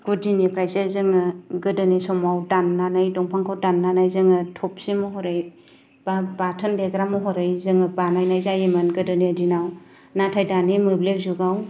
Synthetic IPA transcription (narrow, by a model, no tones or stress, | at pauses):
ɡ̥udinipʰɾajzezɯŋɯɡɯdɯnisɔmawdanːanɯjdɔŋpʰaŋkʰawdanːanajzɯŋɯtʰɔp̚simɔɦɔɾɯj | b̥abatʰɯndeɡɾamɔɦɔɾɯjzɯŋɯbanajnajzajemɯnɡɯdɯnidinaw | natʰajdanimɯblek̚zuɡaw